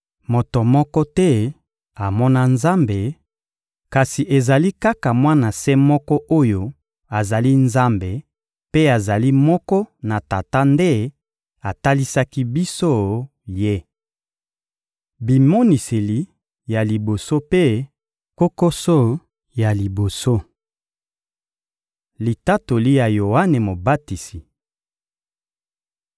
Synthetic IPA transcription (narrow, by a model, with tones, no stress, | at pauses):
mo˨to˨mɔ˦kɔ˦tɛ˦ | a˨mɔ˦na˦nza˦mbe˨ | ka˨si˨ʔe˨za˨li˦ka˦ka˨mwa˦na˨sɛ˦mɔ˦kɔ˦ʔo˦jo˦ | a˨za˨li˦nza˦mbe˨ | pe˦a˨za˨li˦mɔ˦kɔ˦na˨ta˨ta˦nde˦ | a˨ta˦li˦sa˦ki˦bi˦so˦ | je˦ | bi˨mo˦ni˨se˨li˨ | ja˨li˨bo˨so˦pe˦ | ko˦ko˦so˦ | ja˨li˨bo˨so˦ | li˨ta˦to˨li˦ja˨jo˨wa˦ne˨mo˨ba˦ti˨si˨